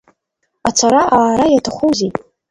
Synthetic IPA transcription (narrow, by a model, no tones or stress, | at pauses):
at͡sʷʰaɾaʔaːɾajatʰaχʷuzetʼ